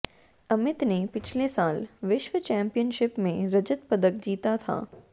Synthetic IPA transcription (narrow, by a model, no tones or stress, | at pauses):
ɐmɪt̪nepɪt͡ʃʰlesaːlʋɪʃʋət͡ʃɛ̃ːmpijənʃɪpmẽɾɐd͡ʒət̪pɐd̪ək̚d͡ʒiːt̪at̪ʰa̰ː